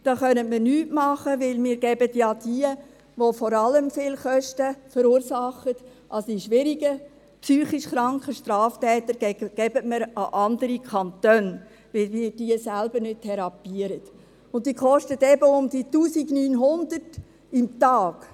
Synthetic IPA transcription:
d̥ɑːχœnətmənyːtmɑχəʋɪlmɪːɾɡɛbətjɑːd̥iə | ʋofɔɾɑləmfɪːlχœʃtəfəɾuːɾsɑχːət | ʔɑlsdiʃʋɪɾiɡə | psyːχiʃχɾɑŋkχəʃtɾɑːftɛːt̪əɾɡɛɡ̥ɛbətməɾɑʔɑndəɾikʰɑntøːn | ʋɪlmiːɾd̥iəsælbəɾnʏt̚tʰɛɾɑpiəɾət | ʊnt̚d̥iːχɔʃtətɛbəʊmd̥̪ituːsiɡnyːnɦʊnd̥̪ərt | ɪmtɑːɡ̥

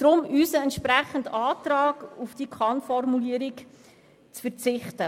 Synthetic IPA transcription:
d̥ɾʊmyːsəɛntʃpɾæχəndɑːtrɑːɡufd̥ikʰɑnfɔrmuliəɾik | t͡sfəɾt͡sɪχtə

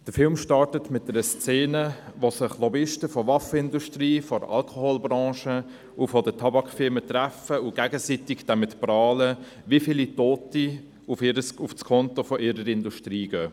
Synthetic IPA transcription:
d̥əɾfɪlmʃtɑɹtətmɪt̚dɛɾəst͡seːnəʋosɪχlɔbɪʃtəfɔvɑfəɪnduʃtriːfɔɾɑ̰lkʰohoːlbɾɑ̃ːʃə | ʔufɔdətʰɑbɑkfɪɾmətræfəʊɡ̥æɡəsitɪɡd̥ɛmɪtprɑːlə | ʋifilitoːti | ufɪɾəsʊfskʰɔntofɔʔɪɾəɾɪnduʃtɾiːɡ̥øː

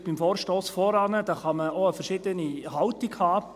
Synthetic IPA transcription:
b̥imfoːɾʃtoːsfɔɾɑnəd̥ɑːχɑməoəfɛɾʃiːdənihɑltɪɡhɑː

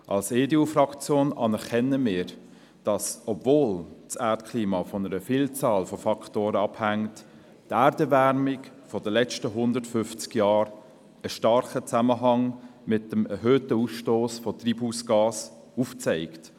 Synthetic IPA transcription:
ʔɑlseːdeufrɑkt͡sjoːnɑnɛɾkʰɛnəmɪːɾ | d̥ɑsɔbvoːlt͡sæːɾtkʰliːmɑfɔnəɾəfiːlt͡sɑːlfofɑktoːɾəɑphæŋt | tæːɾdəvæɾmɪk | fɔdəlɛt͡ʃtəɦʊndətfʏft͡skjɑːɾ | əʃtɑɾχət͡sæməɦɑŋmɪt̚dəmɛɾɦøːtəusʃtoːsfɔt̪ribusɡ̥ɑːs | uft͡sɛɪkt

